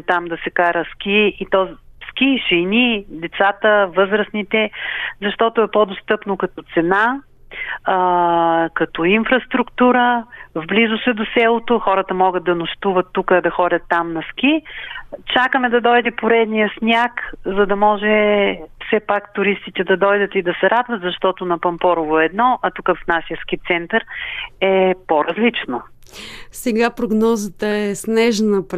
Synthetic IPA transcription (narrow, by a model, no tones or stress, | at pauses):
t̪amd̪ɐsɛkaɾəskʲiit̪ɔskiʃɛnid̪ɛt̪sat̪əvɤzɾəsnit̪ɛzɐʃt̪ɔt̪oɛpod̪ost̪ɤpnokɐt̪ɔt̪sɛnaː | kɐt̪ɔinfɾɐst̪ɾukt̪uɾəvblizʊsɛd̪osɛlˠot̪oxɔɾət̪əmɔɡəd̪̚d̪ɐnʊʃt̪uvət̪ːukəd̪ɐxɔdʲɐt̪ːamnɐsk̟ʲi | t͡ʃakəmɛd̪ɐd̪ɔjd̪ɛpoɾɛd̪nijəsnʲakzɐd̪ɐmɔʒɛfsɛpakt̪ʊɾist̪it̪ɛd̪ɐd̪ɔjd̪ət̪id̪ɐsɛɾad̪vət̪zɐʃt̪ɔt̪ʊnɐpɐmpɔɾʊvoɛd̪nɔʔɐt̪ukəfnasiəskit̪sɛnt̪əɾɛpoɾɐzlit͡ʃno | sɛɡapɾoɡnɔzət̪əɛsnɛʒnəp